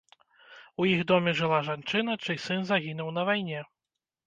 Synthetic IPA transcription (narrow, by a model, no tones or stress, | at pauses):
ujiɣd̪ɔmʲɛʐɨlˠaʐant͡ʂɨnɐt͡ʂɨjsɨnzaɣʲinuwn̪ɐvajnʲɛ